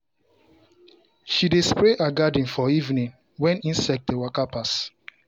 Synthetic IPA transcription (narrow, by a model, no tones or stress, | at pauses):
ʃidespɹeʔaɡadĩnfɔivnĩŋ | wɛ̃nĩnsɛk̚dewakapas